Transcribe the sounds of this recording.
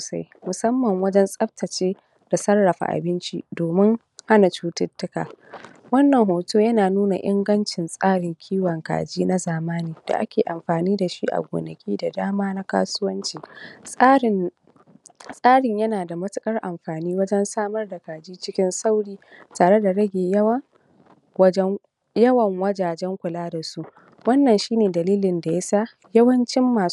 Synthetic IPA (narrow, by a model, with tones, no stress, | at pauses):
soː˨sa̰˦j | mʊ˨sɐ˦mːɐ˨ŋwɐ˦d͡ʒɛ˦nsʼɐ˦btɐ˨t͡ʃeː˦ | d̥a˨sɐ˦rːɐ˨ɸa̰˨ʔa̰˨bɪ˦nt͡ʃḭ˦doː˨mɪ˦ŋ | ha˦na˨t͡ʃuː˦tɪ˦tːʊ˦ka̰ː˨ | wɐ˦nːɐ˨ŋɦoː˨toː˦jɐ˦naː˨nuː˦na̰˨ʔɪ˦ŋɡɐ˦nt͡ʃɪ˨nsʼaː˦ɽɪ˨ŋkʲʰiː˦wɐ˨ŋka̰ː˨d͡ʒiː˦na˦zaː˨maː˦niː˨d̥a̰˨ʔa˦kʲeː˨ʔa˨mɸaː˨niː˦da˨ʃi˦ʔa̰˨ɡʷo̰ː˨nɐ˨kʲiː˦da˨daː˦maː˦na˦ka̰ː˦sʊ˦wɐ˦nt͡ʃiː˦ | sʼaː˦ɽɪ˨ɲjɐ˦naː˨da˨mɐ˦tɪ˦kʼɐ˦rʔa˨mɸaː˨niː˦wɐ˦d͡ʒɛ˦nsaː˦mɐ˦rda˨kaː˨d͡ʒiː˦t͡ʃɪ˦kʲɪ˦nsa˦wɽiː˦taː˨ɽe˦da˨ɽɐ˦ɡʲeː˨jɐ˦w | jɐ˦wɐ˨ŋwɐ˦d͡ʒaː˨d͡ʒɛ˦ŋkʷʊ˨laː˦da˨su˦ʔ | wɐ˦nːɐ˨nʃiː˦neː˨dɐ˨liː˦lɪ˨nda˨ja˦sa˦ | jɐ˦wɐ˦nt͡ʃɪ˦mːaː˨